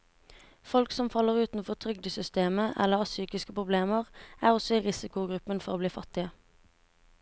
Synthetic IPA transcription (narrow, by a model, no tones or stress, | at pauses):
fɔlksɔmfɑlːəʁʉːt̪n̩fɔʁt̪ʰʁʏɡ̚d̪əsʏst̪eːməʔɛ̰lːəʁɑːsyːkɪskəpʰʁʊbleːməʁæːʁɔsɔiːʁɪsɪkʊɡʁʉpənfɔʁoːbliːfɑt̪ɪə